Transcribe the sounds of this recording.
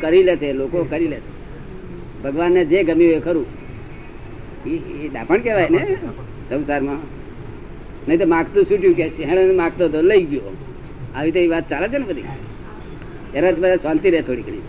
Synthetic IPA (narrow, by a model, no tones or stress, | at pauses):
kəɾileselokokəɾilese | bʱəɡʋanːed͡ʒeɡəmioekəɾũ | ied̪a̰pəɳkeʋajne | sə̃ʊsaɾmã | nəit̪omãkt̪ũsuʈjũk̬eʃeɦɛnenmãɡt̪od̪oləiɡjo | aʋit̪eiʋat̪̚t͡ʃalet͡ʃʰenɛbəd̪ʱḭ | enat̪ibəasʋãnt̪iɾet̪ʰoːɽikəɽ̃ḭ̃